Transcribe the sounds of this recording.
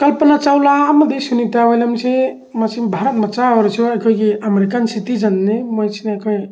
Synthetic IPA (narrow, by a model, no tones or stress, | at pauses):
kʌlpənat͡ʃawlamɐd̪esunit̪abɔjlamsʰe | masimbʱaɾɔt̪̚mat͡ʃaɔɾsʰioajkʰɔjkiameɾikansit̪id͡ʒanːemɔjsʰinakʰɔj